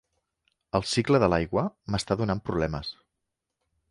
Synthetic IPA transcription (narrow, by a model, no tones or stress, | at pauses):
əlˠsikləðəlajɣwəməst̪aðunampɾuβlɛməs